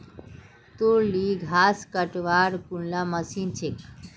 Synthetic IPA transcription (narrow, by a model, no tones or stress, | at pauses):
t̪uɾliɡʱaskəʈʋaɾkuɳlaməsint͡ɕʰek